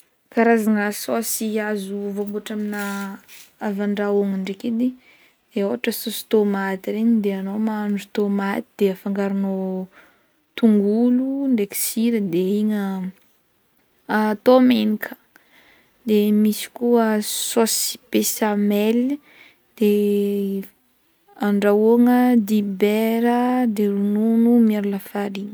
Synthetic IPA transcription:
kaɾazaŋəsosiazuvombuaʈ͡ʂamina | avaɳɖ͡ʐaoŋaɳɖ͡ʐeked̪i | d̪̥eoɦaʈ͡ʂəsosi̥t̪omat̪iɾeɲd̪eanomanɖ͡ʐut̪omat̪id̪eafaŋɡaɾino | t̪uŋɡuluɳɖ͡ʐeki̥siɾəd̪eiɲə | at̪omenikʰə̥ | d̪emisi̥kuəsosi̥pesamɛl | d̪̥e | aɳɖ͡ʐaoŋəd̪ibeɾəd̪eɾununumaɾulafaɾiɲə

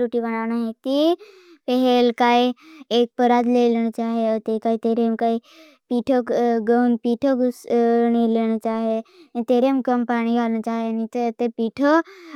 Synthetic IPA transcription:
ɾuʈibənaːʋñaɦẽk̪i | peɦelkaːieːk̚pəɾaːd̪lelɽ̃t͡ʃaːɦeot̪ekaːit̪eɾemkaːi | piːʈʰoɡəmpiːʈʰoksñileːñt͡ʃaːɦet̪eːɾemkəmpaːɽ̃ikaːnt͡ʃaːɦenit̪et̪epiːʈʰo

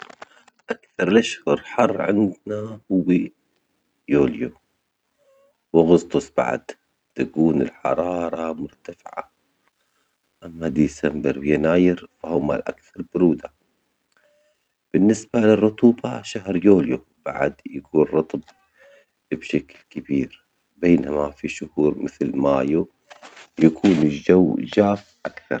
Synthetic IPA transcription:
ʔakθɑɾˤlʔaʃhʊɾˤħɑrˤːʕɪ̰nd̪nahʊwːi | joːlju | wɪɣʊst̪ˤʊsˤba̰ʕ̰d̪ | t̪akuːnɪlħɑ̰ɾˤɑːɾˤɑmʊɾt̪afɪʕa̰ | ʔamːad̪isambɪɾwjanaːjɪɾfahʊma̰lʔakθɑɾˤbʊɾuːd̪a | b̥ɪnːɪsbalɪrˤːʊt̪ˤuːbɑʃaɦɾjoːlju | ba̰ʕad̪jakuːnɾˤɑt̪ˤb | bʃaklkɪbiːɾ | beːnamafiʃʊhuːɾmɪθlmaːju | jakʰuːnɪd͡ʒawd͡ʒaːfʔakθɑ̰ɾˤ

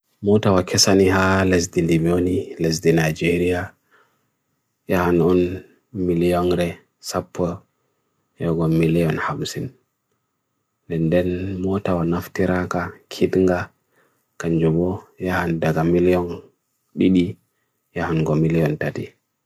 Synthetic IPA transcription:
mɔtawakʰɛsaniɦales̬dindiboniles̬dinajd͡ʒeɾija | jahanɔn | milijɔnɾɛ | sapʰːɔ | jɔɡɔmilijɔnhamsin | dɛndɛnmɔtawanaftiɾakakʰidŋɡa | kaɲd͡ʒubɔjahandaɡamilijɔn | ɗiɗi | jahanɡɔmilijɔntati

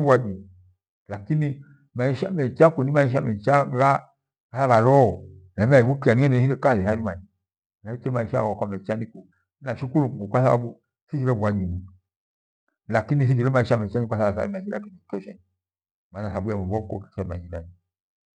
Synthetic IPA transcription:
buad͡ʒi | lakini | maiʃamɛt͡ʃakonimaiʃamɛt͡ʃaɡa | kasaβaɾɔnmaibukianieniekaehaɾimaɲi | naitemaiʃa̰okamɛt͡ʃaniko | naʃikuluokasaa̰bu | sid͡ʒiɾebuad͡ʒini | lakinisid͡ʒiɾemaiʃamɛt͡ʃaiasaβasa̰ɾimaia̰kinikɛʃɛni | manasabuamebɔko̰kisɛma̰ɲinani

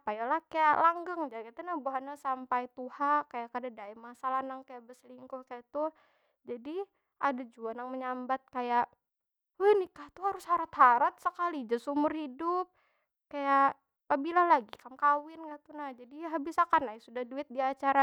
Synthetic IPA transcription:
pajalahkajaʔlaŋɡaŋd͡ʒakit̪anahbaɦanasampajt̪uhakajakadadaɛmasalahnaŋkajaʔbəsliŋkʊkajat̪u | d͡ʒadi | ʔadad͡ʒuanaŋməɲambat̪̚kajaʔ | əhnɪhkaht̪uhaɾʊshaɾat̪haɾat̪̚səkalid͡ʒasumʊrhidʊp̚ | kajaʔ | pabilalaɡikamkawɪnkat̪unahd͡ʒadiɦabisakanːaisudahduɪt̪̚diat͡ʃaɾa

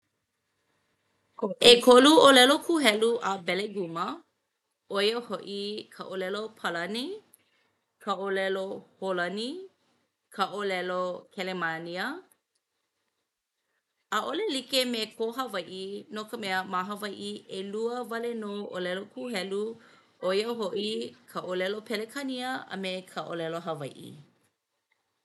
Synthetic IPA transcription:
ʔekʰoluolɛlokʰuɦɛluʔəbɛleɡumə | ojəhoʔikʰəʔolɛlopʰəlɐni | kʰəʔolɛloholɐni | kʰəʔolɛlokʰɛlemaniə | əʔolelikemekʰoɦɐvɐjʔinokəmɛəmaɦəvɐjʔiʔeluəvɐlenoʔolɛlokʰuɦɛlu | ʔoiəɦoʔikʰəʔolɛlopʰɛlekʰɐniəə̰mekʰɐʔo̰lɛloɦɐvɐjʔḭ

